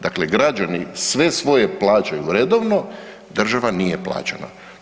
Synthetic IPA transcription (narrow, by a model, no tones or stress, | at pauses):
d̪akleɡɾad͡ʒanisʋe̞sʋo̞je̞plˠaːt͡ʃajuɾed̪oʋno̞ | d̪r̩ʒaʋanije̞plˠa̰ːt͡ɕana̰